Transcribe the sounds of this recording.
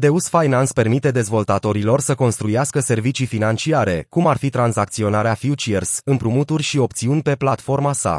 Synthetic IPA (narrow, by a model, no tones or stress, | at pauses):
d̪e̞usfajnanspe̞rmit̪e̞d̪e̞zvo̞lt̪at̪o̞ɾilo̞rsəko̞nst̪ɾujaskəse̞rvit͡ʃifinant͡ʃiaɾe̞kumarfit̪ɾanzak̚t̪sio̞naɾeafjut͡ʃiersɨmpɾumut̪urʲʃio̞p̚t̪siunʲpe̞plat̪fo̞rmasa̰